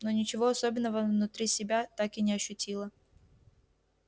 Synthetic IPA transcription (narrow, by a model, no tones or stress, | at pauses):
nonʲɪt͡ɕɪvo̞ɐsobʲɪnːəvəvnʊt̪ɾʲisʲɪbʲat̪akɪnʲɪɐɕːʉtʲilˠə